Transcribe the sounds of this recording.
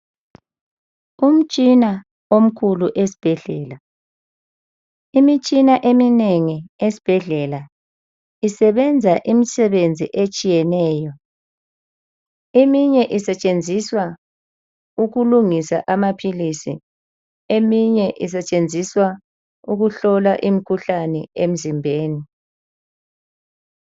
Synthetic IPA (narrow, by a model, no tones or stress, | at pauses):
um̩t͡ʃʼina | om̩kʰuluʔesi̥b̥ʱɛɮɛːla | imit͡ʃʼinaʔemineŋiesi̥b̥ʱɛɮɛla | isɛβɛnd͡zʱaʔimisɛβend͡zʱḭʔet͡ʃʼijɛnɛːjɔ | emiɲɛʔisɛt͡ʃʼend͡zʱiswa | uɣuluŋisa̰ʔamapʰilisḭ | emiɲɛʔis̬ɛt͡ʃʼend͡zʱiswa | uɣuɬɔlaʔim̩ikʰuɬanɛ̰em̩zimbʱeːni